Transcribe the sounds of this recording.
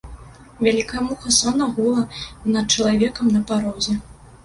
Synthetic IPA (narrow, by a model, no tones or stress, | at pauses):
vʲalʲikɐjɛmuxɐsɔnɐɣulˠɐnɐt̪̚t͡ʂɐlˠavʲɛkɐmnɐpaɾɔzʲɛ